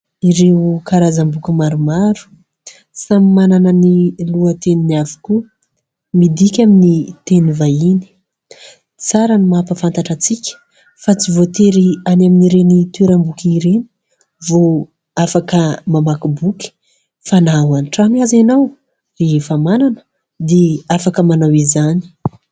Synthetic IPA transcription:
iɾewkaɾazambukimaɾumaɾu̥ | samimananəniluət̪eninavi̥ku | mid̪ikʲaminit̪enivajini̥ | t͡saɾanimapəfant̪aʈ͡ʂat͡sikʲə̥ | fat͡sivot̪eɾianaminiɾenit̪eɾambukiɾeni̥ | vo | afakəmamakubukʲi̥ | fanawanʈ͡ʂamiazanaw | reɦefamananə̥ | d̪eafakəmanawizani̥

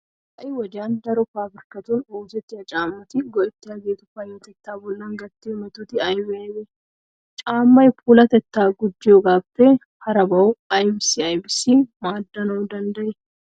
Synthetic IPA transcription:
ʔɐjwɐd͡ʒaːnd̪ɐɾʊfaːbɪɾkɐt̪uːnoːd͡ʒɛt̪ːɪɐt͡ʃʼaːmːɐt̪ɪɡɔʔɛt̪ːɪɐɡeːt̪ʊfɐjːot̪ɛt̪ːaːbʊlːɐŋɡɐt̪ːɪmɛt̪ʊt̪ɪɐjbɛjɛ | t͡ʃʼaːmːɐjpʰuːlɐt̪ɛt̪ːaːɡʊd͡ʒːɪɔɡaːbt̪e | hɐɾɐbɐʊɐjbɪsɪɐjbɪsimaːd̪ːɐnɐʊd̪ɐnd̪ɐʔɛ

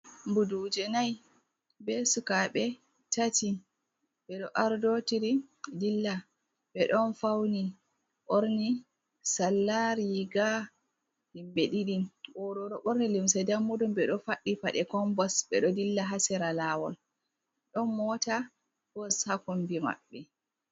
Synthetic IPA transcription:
mbudud͡ʒɛnaj | bɛsukaɓɛ | tati | bɛɗɔʔaɾdotiɾidilːa | ɓɛɗɔnfawni | ʔoɾni | salːaɾiɡa | limbeɗiɗiʔɔɾɔɾɔɓoɾnilimsɛdamːudumbɛɗɔfaɗːifa̰ɗɛkɔmbɔsɓɛ̰ɗɔdilːaɦasɛɾalaːwɔ̰l | ɗɔnmɔta | b̥ɔshakumbima̰ɓːɛ

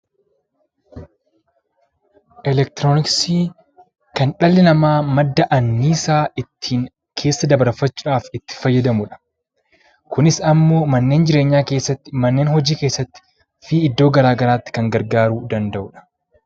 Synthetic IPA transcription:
ʔɛlɛk̚t̪ɪɾoːnɪksiː | kɐnᶑɐlːɪnɐmaːmɐd̪ːɐʔɐnːiːsaːɪt̪ʰːiːŋ | kʰe̞ːsːɐd̪ɐbɐɾfɐt͡ʃːʊᶑaːfɪt̪ːɪ̥fɐjːɐd̪ɐmʊᶑɐ̥ | kʊnɪsɐmːo̞ːmɐnːe̞ːnd͡ʒɪɾeːɲːaːke̞ːsːɐt̪ːɪ̥mɐnːeːnɦɔd͡ʒiːkeːsːɐt̪ːɪ̥ | fiːɪd̪ːo̞ːɡɐɾaːɡɐɾaːt̪ːɪ̥kɐŋɡɐɾɡaːɾuːd̪ɐnd̪ɐʔʊᶑɐ̥

